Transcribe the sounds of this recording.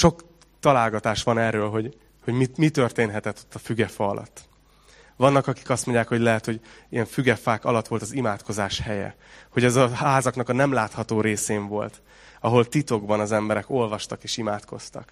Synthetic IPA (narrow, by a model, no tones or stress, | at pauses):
ʃo̞k | t̪ɒlaːlɡɒt̪aːʃʋɒnɛrːøːlɦo̞ɟ | ho̞ɟmimit̪ø̞rt̪eːnɦɛt̪ɛt̪ːo̥t̪ːɒfyɡɛfɒɒlʔɒ̰t̪ː | ʋɒnːɒkɒki̥kɒst̪mo̞ɲɟjaːkho̞ɟlɛɦɛt̪ho̞ɟijɛɱfyɡɛfaːkɒ̰lɒt̪ːʋo̞lt̪ɒzimaːt̪ko̞zaːʃhɛjɛ̰ | ho̞ɟɛzɒhaːzɒknɒkɒnɛmlaːt̪hɒt̪oːɾeːseːɱvo̞lt̪ | ɒɦo̞lt̪it̪o̞ɡbɒnɒzɛmbɛɾɛko̞lvɒʃt̪ɒkeːʃimaːt̪kʰo̞̰st̪ɒ̰k